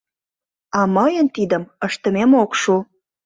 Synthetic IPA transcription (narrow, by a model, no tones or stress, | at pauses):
ɑməjənt̪id̪əməʃt̪əmemokʃu